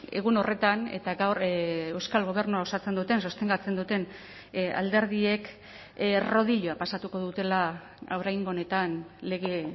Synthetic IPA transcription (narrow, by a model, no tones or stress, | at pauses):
e̞̰ɣ̞uno̞re̞t̪ane̞̰t̪aɡawɾewskalɣ̞o̞β̞e̞ɾnuao̞sat͡send̪ut̪e̞nso̞st̪e̞ŋɡat͡se̞nd̪ut̪e̞n | a̰ld̪e̞ɾðie̞k | ro̞ð̞iʎoapasat̪uko̞ðut̪e̞la | o̞ɾajŋɡone̞t̪anle̞ɣe̞